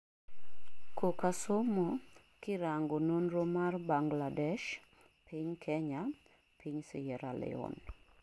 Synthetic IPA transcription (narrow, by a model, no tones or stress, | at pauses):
kokasomɔ | kɪɾaŋɡononɾomarbaŋɡladɛʃ | pʰɪɲkʰɛɲa | pʰiɲsɪjɛɾalɛ̰ɔ̰n